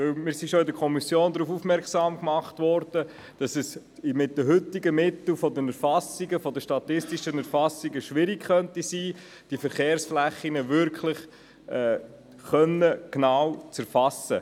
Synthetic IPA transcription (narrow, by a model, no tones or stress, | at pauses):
vɵwmɪːɾsiʃoɪdəɾkʰɔmisjoːndɾuːfufmɛɾksɑːmkmɑχtvɔɾd̥ə | d̥ɑsɛs | mɪt̚dəɦʏtiɡəmɪt̪l̩fɔdənɛɾfɑsiɡəfɔdəʃtɑt̪ɪstiʃənæɾfɑsiɡəʃʋɪɾikχœntisiː | d̥ifəɾχeːɾsflæχːinəʋʏɾkʰlɪχ | ɛ | χœnəknawt͡sæɾfɑsə